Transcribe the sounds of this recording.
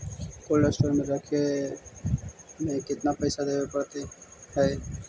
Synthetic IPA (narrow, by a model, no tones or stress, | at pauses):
kolːəsʈolmẽɾəkʰe | mekɪt̪napəɪsad̪ebepəɾt̪ihəj